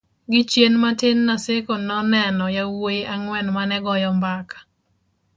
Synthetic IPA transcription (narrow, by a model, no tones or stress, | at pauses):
ɡɪt͡ʃjenmatɪnːasɪkonɔnɛnɔjawoʔaŋwɛnmanɛɡɔjɔmbakḁ